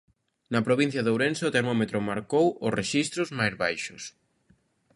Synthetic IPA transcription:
nɐpɾoβ̞in̟θjɐðowɾenseot̪eɾmɔmet̪ɾʊmaɾkowʊsreʃist̪ɾʊzmajzβajʃʊs

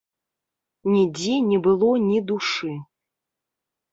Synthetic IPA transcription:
nʲid͡zʲinʲɛbɨlˠɔnʲid̪uʂɨ

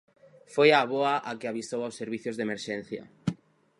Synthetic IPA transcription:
fojaβoaʔakɪaβist̪owawsːeɾβiθjʊzðemeɾʃɛn̟θjɐ̰

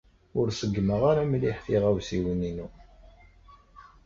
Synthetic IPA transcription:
ʊɾsəɡːməʁaɾamliħθiʁæwsiwəninu

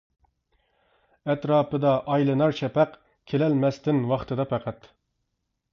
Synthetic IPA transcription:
ɛt̪ɾɑːpɨd̪ɑʔɑjlˠɨnɑɾt͡ʃʰɛpʰɛq | kʲʰelɛlmɛst̪ɪnwɑχt̪ʰɨd̪ɑpʰæqʰæt̪

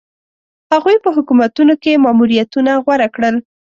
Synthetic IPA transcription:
haɣujpəɦʊkumat̪unokemɑmuɾijat̪unaɣwaɾakɽəl

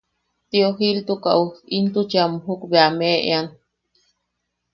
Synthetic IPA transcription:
t̪ioɦilt̪uka̰ʔuint̪ut͡ʃiamuɦukbeameʔḛan

